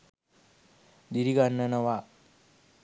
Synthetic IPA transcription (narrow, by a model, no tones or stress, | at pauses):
d̪iɾiɡanːənəwa